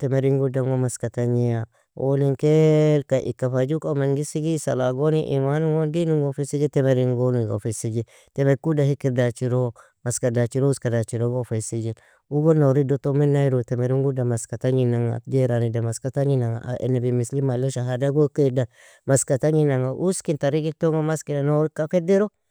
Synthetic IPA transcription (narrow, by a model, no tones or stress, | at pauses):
temeɾiŋɡudaŋɡomaskataɲija | oniŋkekaʔḭkafad͡ʒukamaŋɡisiɡisa̰laɡoniʔḭmanuɡondiniŋɡofesiɡitemeɾiŋɡoniɡo̰fisiɡi | temeɾkudahikiɾdat͡ʃiɾo | maskadat͡ʃiɾouskadat͡ʃiɾoɡofesid͡ʒil | uɡonoɾidotomenaiɾotemeɾiŋɡudamaskataɲinaŋa̰d͡ʒeɾanidamaskataɲinaŋa̰ʔa̰ʔḛnabimislimaloʃaɦadaɡokeda | maskataɲinaŋaʔuskintaɾiɡitoŋɡomaskinanoɾikafedeɾo